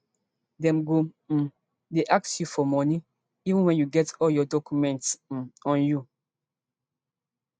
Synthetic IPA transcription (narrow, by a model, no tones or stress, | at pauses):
dɛ̃mɡo | deʔak̚sjufɔmɔni | ivə̃nwɛ̃njuɡɛtɔljɔdɔkjumɛ̃nts̩ɔ̃nju